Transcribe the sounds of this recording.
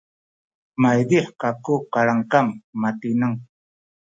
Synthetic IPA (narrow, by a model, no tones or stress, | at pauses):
majd̪iħkakʊqaɾaŋkammat̪ɪnaŋ